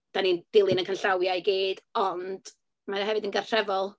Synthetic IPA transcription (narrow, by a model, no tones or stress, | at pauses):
d̥anind̥ɪlˠɨnənkʰanɬawjajɡeːd̥ɔnd̥ | maɦɛvɨdənɡarr̥ɛvɔlˠ